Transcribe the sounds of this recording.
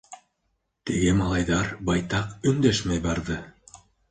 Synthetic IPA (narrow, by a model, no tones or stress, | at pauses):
t̪iɡɘmɑlˠɑjðɑɾbɑjt̪ɑqɵ̆nd̪æʃmæjbɑɾðɤ